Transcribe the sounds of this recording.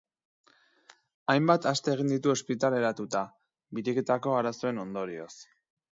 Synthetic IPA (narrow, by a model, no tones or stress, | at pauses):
ajmbat̪ast̪e̞ːɣ̞ind̪it̪uo̞spit̪ale̞ɾat̪ut̪a | βiɾiket̪ako̞aɾaso̞e̞no̞nd̪o̞ɾio̞̰s